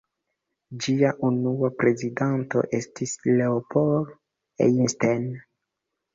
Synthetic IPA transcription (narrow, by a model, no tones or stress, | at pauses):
d͡ʒiaʔunuapɾe̞zidanto̞̰ʔe̞stisleopol | ḛnsten